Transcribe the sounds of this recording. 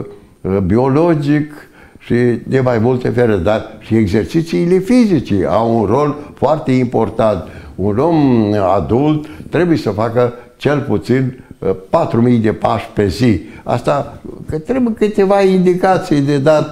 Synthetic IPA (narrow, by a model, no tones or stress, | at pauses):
bio̞lod͡ʒik | ʃid̪e̞majmult̪efeɾed̪arʃieɡzert͡ʃit̪siːle̞fizit͡ʃia̰wunro̞lfoart̪e̞impo̞rt̪ant̪uno̞ma̰d̪ult̪ːɾe̞bujesəfakə | t͡ʃe̞lput̪sinpat̪ɾumijd̪e̞paʃpe̞zia̰st̪akɨt̪ɾebujkɨt̪e̞vaind̪ikat̪sijd̪e̞d̪at̪